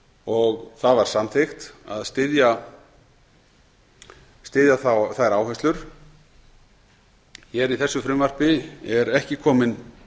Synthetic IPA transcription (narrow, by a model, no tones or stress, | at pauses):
ɔɣθaðvaɾ̥samθext̪a̰ðst̪ɪðja | st̪ɪðjaθawθaɾaːwhɛst̪lʏɾ̥ | çɛɾiθɛsːʏfɾʏmvar̥pɪɛɾɛhcɪkʰɔːmɪn